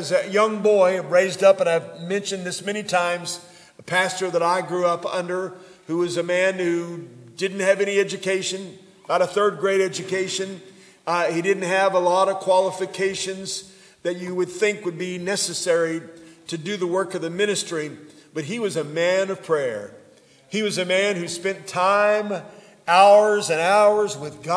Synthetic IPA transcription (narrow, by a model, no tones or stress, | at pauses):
zɨjʌ̃ŋbɔɪɹeɪzdʌpə̃ñaɪvmɛ̃nʃɨ̃nðɪsmɛñitʰãɪ̃mz | əpʰæstə˞ðəɾaɪɡɹuʌpʌ̰̃ndə˞ | huwʌzɨmæ̃nhʉdɪdⁿn̩t̚hɨvɛñiɛd͡ʒɨkʰeɪʃɨ̃n | b̥aɪɾəθɜ˞d̚ɡɹeɪɾɛd͡ʒɨkʰeɪʃɨ̃n | hidɪdⁿn̩t̚ɦɨvəlɔɾʌv̥kʰw̥ɑlˠəfɨkʰeɪʃɨ̃nz | ðɨt͡ʃɨwɨd̪̥̚θɪ̃ŋkwɨd̚binɛsɨsɛɹiɾɨdɨðəwɜ˞kʌvðɨmɪ̃ñɨstɹ̥ib̥ʌt̚ɦiwʌzɨmæ̃nʌv̥pʰɹ̥ɛɹ | iwʌzɨmæ̃nhʉspɛ̃ntʰãɪ̃m | ʔaʊə˞zɨ̃naʊə˞zwɪðɡ